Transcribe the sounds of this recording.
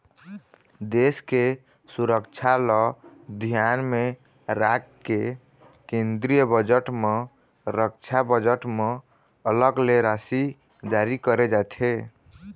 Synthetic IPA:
d̪eske | suɾəkt͡ʃʰalɔd̪ʱijanme | ɾakkːe | kẽnd̪ɾijəbəd͡ʒəʈme | ɾək̚t͡ʃʰabəd͡ʒəʈme | ələɡleɾasi | d͡ʒaɾikəɾed͡ʒat̪ʰe

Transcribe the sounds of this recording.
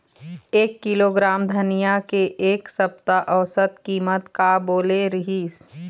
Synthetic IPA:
eːkːiloɡɾaːmd̪ʱɐnijakeʔeːksəp̚t̪aʔəʋsət̪kiːmət̪kaboːleɾɐɦiːs

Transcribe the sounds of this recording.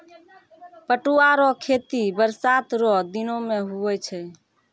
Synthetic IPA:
pəʈuaɾɔkʰet̪ibəɾsat̪ɾɔd̪inomeɦuɛt͡ʃʰɛ

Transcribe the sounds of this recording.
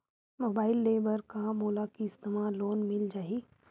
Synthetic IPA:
moːbaːɪlːeːbəɾkãmoːlakiɪst̪eːmaːloːnmɪld͡ʒaːiː

